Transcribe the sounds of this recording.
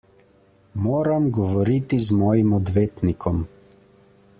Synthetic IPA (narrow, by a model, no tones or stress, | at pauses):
moːɾamɡɔʋɔɾit̪izmɔːjimɔd̪ʋeːt̪nikʰɔm